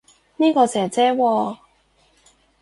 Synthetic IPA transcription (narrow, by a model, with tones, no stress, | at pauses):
niː˥kɔː˧sɛː˨˩t͡sɛː˥wɔː˧